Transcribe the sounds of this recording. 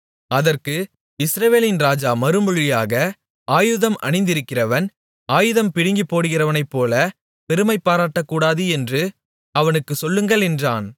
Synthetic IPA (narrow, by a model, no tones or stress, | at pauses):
ɐðɐrkɯ | ɪsɾɐʋeːlɪnɾaːd͡ʒaːmɐɾɯmʊɻɪjaːɣɐ | aːjɯðɐmʔɐ̰ɳɪnd̪ɪɾɯkːɪrɐʋɐn | aːjɯðɐmpɪɽɪŋɡipːoːɽɯɣɪrɐʋɐnɐɪpːoːlɐ | pɛɾɯmɐɪpːaːɾaːʈːɐkːuːɽaːðɯɛndrɯ | ɐʋɐnɯkːɯsɔlːɯŋɡɐɭɛndraːn